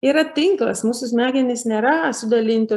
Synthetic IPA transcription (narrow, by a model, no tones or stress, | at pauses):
iːɾɐt̪ʲɪŋklˠɐ̰smuːsʊsmʲæːɡʲɛnʲɪsnʲeːɾɐsʊd̪ɐlʲɪnʲt̪ʲʊ